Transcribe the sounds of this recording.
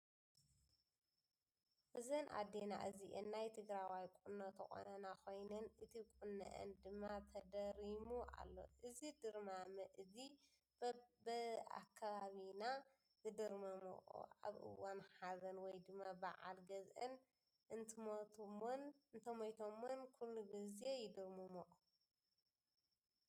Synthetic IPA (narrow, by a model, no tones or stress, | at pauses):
ʔɨzɐnʔa̰d̪ena̰ʔɨziʔenːajt̪ʰɨɡɾawajkʼunːot̪ʰɐxʼo̰nɐnakʰo̞jnɐnɨt̪ʰikʼunːɐ̰ʔɐ̰nd̪ɨmːat̪ʰɐd̪ɐɾimuʔa̰lːo̞̰ʔɨzid̪ɨɾmamɨʔɨzi | bɨa̰kʰːaβaβina | zɨd̪ɨɾmɐmo̰ʔʼṵa̰βʔɨ̰wːanħazɐnwɔjd̪ɨmːaba̰ʕa̰lɡɐzʔɐn | ʔɨnt̪ʰɨmot̪ʰomonnt̪ʰɐmɐjt̪ʰomːonkʰulːuɡɨzejɪd̪ɨɾmumoʔʼu